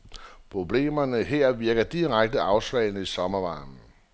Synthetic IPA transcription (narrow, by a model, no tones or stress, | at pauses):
pʰʁo̝b̥le̝̰ːmɐnəɦeɐ̰ʋiɐɡ̥ɐd̥iʁaɡ̥̚d̥əɑ̈ʊsʋɛ̰ːɪnəisɒ̽mɐʋɑ̈ːn̩